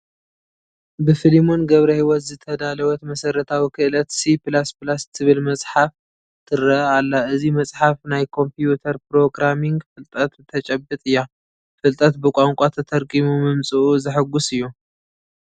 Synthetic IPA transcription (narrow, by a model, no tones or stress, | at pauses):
bɨfɨlimo̞nɡɐβɾɐhiwɔt̪zɨt̪ʰɐd̪alɐwɔt̪mɐsɐɾɐt̪ʰawikʰɨʔɨlɐt̪siplasplast̪ʰɨβɨlmɐsʼħaf | t̪ʰɨɾːɐʔalːaɨzimɐsʼħafnajkʰo̞mpijut̪ʰɐɾpɾo̞ɡɾamiŋɡfɨlt̪ʼɐt̪t̪ʰːɐt͡ʃʼɐbɨt̪ʼɨjːa | fɨlt̪ʼɐt̪bɨkʷʼaŋkʷʼat̪ʰɐt̪ʰɐɾkʼimumɨmt͡sʼɨʔuzɨħɨɡːusɨjːu